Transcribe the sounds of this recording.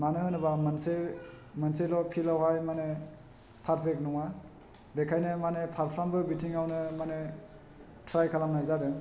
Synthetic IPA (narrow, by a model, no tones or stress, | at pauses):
manɯhɯnɯbamanse | manselɔpʰilawɦajmane | pʰaɾpʰɾek̚nɔŋa | bekʰajnɯmanepʰaɾpʰɾambɯbitʰiŋawnɯmane | tʰɾajkʰalamnajzaɾɯ